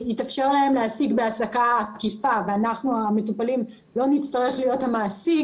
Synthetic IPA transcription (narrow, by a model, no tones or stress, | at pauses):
itafʃe̞ʁlaɦe̞mleːsiɡbeasakaːtkifaveanaχnuame̞tupalim | lo̞nit͡staʁe̞χlijo̞thamaːsi